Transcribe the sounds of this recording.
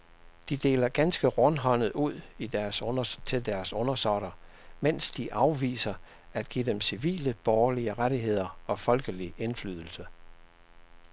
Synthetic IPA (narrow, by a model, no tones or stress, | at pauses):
d̥id̥e̝̰ːlɐɡ̥ænsɡ̥əʁɔ̽nɦɒ̽n̰ð̩ˠuð̞̰ˠid̥æɐsʰe̝ld̥æɐsɔ̽nɐsɒɾ̥ɐ | men̰sd̥iʔɑ̈ʊʋḭːsɐ | æd̥ɡ̥id̥emsiʋḭːləb̥ɒːɐliəʁaɾiɦe̝ð̞̰ˠɐɒ̽fɒ̽lɡ̥əliʔe̝nfly̰ːðˠl̩sə